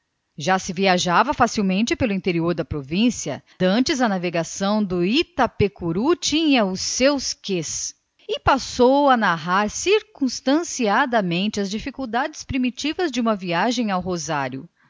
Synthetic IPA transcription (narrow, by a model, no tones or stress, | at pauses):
ʒasɪviaʒavɐfasiwmẽnt͡ʃɪpelʊĩnt̪eɾioɾd̪ɐpɾovĩsiɐ̰d̪ɐ̃nt͡ʃɪzɐnaveɡasɐ̃w̃d̪ʊit̪ɐpekuɾut͡ʃĩɲɐʊsewskes | ɪpasowɐnaɦaɾsiɾkũst̪ɐ̃siad̪ɐmẽnt͡ʃɪɐzd͡ʒifikuwd̪ad͡ʒɪ̥spɾimit͡ʃivɐzd͡ʒɪũmɐviaʒẽj̃awɦozaɾjʊ̰